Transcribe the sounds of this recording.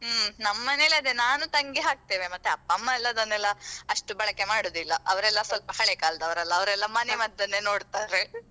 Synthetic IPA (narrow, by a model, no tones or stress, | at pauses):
nɐmːɐneːleɐd̪enaːnut̪ɐŋɡiɦaːk̚t̪eːʋemɐt̪ːeɐpːɐmːɐɛlːɐd̪ɐnːɛlːɐɐʂʈubɐɭɐkːe̞maːɽoːd̪ilːɐʔɐʋɐɾɛlːɐsʋɐlpɐɦɐɭekaːld̪ɐʋɐɾɛlːɐːʋɐɾɛlːɐmɐnemɐd̪ːɐnːeno̞ːɽt̪aːɾe